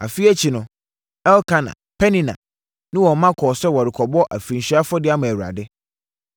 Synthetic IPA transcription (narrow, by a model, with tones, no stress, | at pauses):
a̰˨fi˦ɛ˦t͡ɕʰi˨nʊ̃˨ | ɛ˦lkʰã˦nã̰˨pʰɛ˦nĩ˦˨nã̰˨ | nɪ̃˦wɔ˨mã˦kʰɔː˨sɛ˦wɔ˨ɾɪ˨kʰɔ˨bɔ˦ʔa̰˨fɾĩ˨ɕi˦a˦fɔ˦dɪ˦a˦mʊ̃˨æ˨ɥɾa̰˨dɪ˦